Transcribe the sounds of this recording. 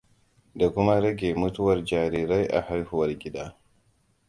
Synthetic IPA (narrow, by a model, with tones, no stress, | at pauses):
da˨kʷʊ˦ma˦ɾɐ˦ɡʲeː˨mʊ˦tʊ˦wɐ˨rd͡ʒaː˨ɾiː˨ɾa˦jʔa̰˨ha˦jhʊ˦wɐ˨rɡʲɪ˦daː˦